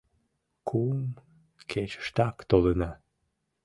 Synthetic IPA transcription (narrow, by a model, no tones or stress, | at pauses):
kʰum | kʰet͡ɕə̥ʃt̪ɑkt̪olənɑ